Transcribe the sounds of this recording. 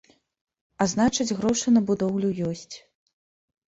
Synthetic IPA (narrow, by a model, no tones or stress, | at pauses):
aznat͡ʂɐd͡zʲɣɾɔʂɨnɐbud̪ɔwlʲujɔsʲt͡sʲ